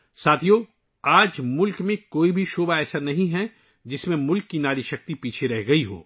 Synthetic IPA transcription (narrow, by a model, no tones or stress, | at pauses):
saːt̪ʰijoː | aːd͡ʒmʊlkmẽkoːibʱiʃoːbʱaɛːsəɾnɐɦĩɦɛ | d͡ʒɪsmẽmʊlkːinaːɾiʃɐk̚t̪ipiːt͡ʃʰeɾɛɦɡɐiɦo̰ː